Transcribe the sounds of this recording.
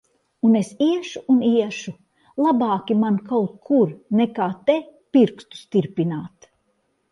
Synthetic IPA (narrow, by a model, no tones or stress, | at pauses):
unesiɛʃuːniɛʃu | lˠabaːkʲimankawt̪̚kʰuɾnekaːt̪epiɾkst̪u̥st̪iɾpinaːt̪